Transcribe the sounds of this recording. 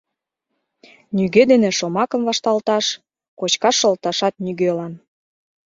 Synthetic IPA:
nyɣed̪enĕʃomɑkə̆mvɑʃt̪ɑlt̪ɑʃ | kot͡ɕkɑʃːɤ̆lt̪ɑʃɑt̪̚nyɣelɑn

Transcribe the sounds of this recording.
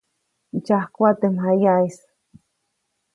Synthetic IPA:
it͡ʃahkʷat̪emɦajais

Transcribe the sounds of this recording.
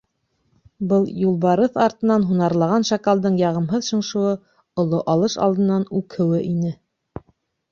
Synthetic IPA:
bɤlˠjulˠβɑɾɤθɑɾt̪ɤ̆nɑnɦunɑɾlˠɑʁɑnʃɑkɑlˠd̪ɤɴjɑʁɤ̆mɦɤðʃɤ̆ɴʃŭwɤ | ŏlˠoʔɑlˠɤʃɑ̰lˠd̪ɤ̆nːɑnʉkʰɘ̆wɘʔinɘ

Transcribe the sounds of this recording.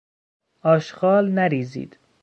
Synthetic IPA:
ɒːʃɢɒːlnæɾiːzḭːd̪̥

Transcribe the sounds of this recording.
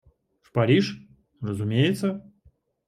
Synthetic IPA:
ʂpɐɾʲiʂ | rəzumʲejɪt̪sə

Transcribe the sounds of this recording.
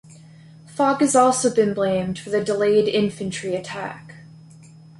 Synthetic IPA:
fɑɡɨzɔlˠsoʊbɨ̃nblẽɪ̃mdwɨðɨdəleɪɾɪ̃ɱfɨ̃nt͡ʃɹ̥iɨtʰæ̰k

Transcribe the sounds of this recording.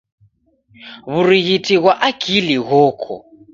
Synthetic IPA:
βuriɣitʼiɣwaʔaɡ̥ʱiliɣɔːkʰɔ̰

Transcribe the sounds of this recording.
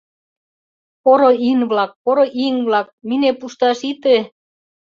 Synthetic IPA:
poɾoinβlɑk̚poɾoʔiŋβlɑk̚minepuʃt̪ɑʃit̪e

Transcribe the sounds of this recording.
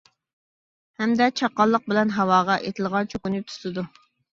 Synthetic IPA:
hɛmd̪ɛt͡ʃʰɑqːɑlˠːəq̚bɪlɛnɦɑwɑːʁɑʔet̪ʰɪlˠʁɑt͡ʃʰøkunyp̚t̪ʰu̥t̪ɨd̪u

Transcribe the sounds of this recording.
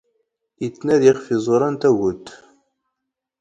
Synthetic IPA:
it͡sːnæðiχfizˤoɾˤɑnt̪æʝʊt̪ː

